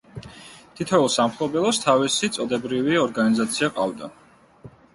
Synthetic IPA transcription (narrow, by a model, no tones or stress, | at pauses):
t̪ʰit̪ʰɛɛlˠsamχlˠɔbɛlˠɔst̪ʰavisit̪sʼɔd̪ɛbɾiviɔɾɡanizat̪sʰiaqʼa̰vd̪a̰